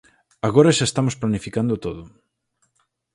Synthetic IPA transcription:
aɣoɾaʃaest̪amosplanifikand̪ot̪oðʊ

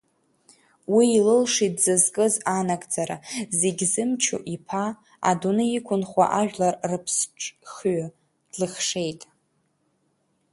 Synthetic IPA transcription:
wiːlɨlʂidzɨzkʼɨzanakʼd͡zaɾaze̞ɡʲzɨmt͡ʃʰo̰ʔipʰa | a̰dunɨikʷʰʊnχʷa̰ʔaʒᶣlarrɨpʰsʈ͡ʂʼχɥa | d̥lɨχʂe̞jtʼ

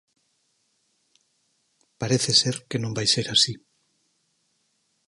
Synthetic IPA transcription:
paɾeθeseɾkenõmbajseɾasi

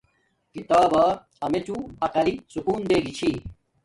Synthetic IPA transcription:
kit̪aːbɐ | ɐmet͡ɕuɐqɐlisukuːnd̪eːɡit͡ɕʰi

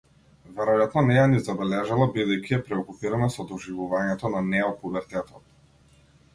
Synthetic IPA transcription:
vɛɾɔjat̪nɔnɛjanizabɛlɛʒalˠabid̪ɛjkʲiɛpɾɛɔkupiɾanasɔd̪ɔʒivuvaɲɛt̪ɔnanɛɔpubɛɾt̪ɛt̪ɔt̪

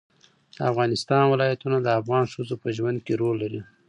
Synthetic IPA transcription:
d̪əafɣɑnɪst̪ɑnwɪlɑjat̪unad̪əafɣɑnʂəzopəʒwand̪̚keɾolːaɾi

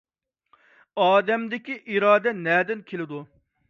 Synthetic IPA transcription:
ɑːd̪ɛmd̪ɪkʲiʔiɾɑːd̪ɛnɛːd̪ɪnkʲʰelɪd̪u

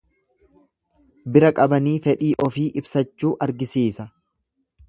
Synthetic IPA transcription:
bɪɾɐkʼɐbɐniːfɛᶑiːʔɔfiːʔɪbsɐt͡ʃːuːʔɐɾɡɪsiːsɐ

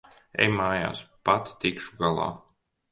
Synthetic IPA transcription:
ɛ̰jmaːja̰ːspat̪t̪ikʃu̥ɡalˠɑ̰ː

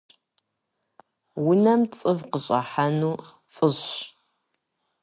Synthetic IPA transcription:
wʊnɐmt͡sʼɨvqəɕʼa̰ħanuːt͡sʼɨɕ

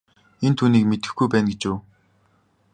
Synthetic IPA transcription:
ent̪ʰuːniːkmet̪ɘ̥̆xɡujpæːnɡet͡ɕʊː

